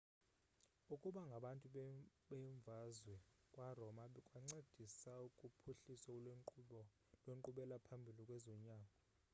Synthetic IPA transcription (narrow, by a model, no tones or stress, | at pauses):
ukʼuɓaŋɡʱaɓantʼuɓɛɱb̪vazwɛkʼwarɔmaɓɛkʼwaŋ͡ǀed̥ʱisaukʼupʰuɬiswa | lweŋǃuɓɛlapʰambʱilikʼwɛzɔɲaːŋɔ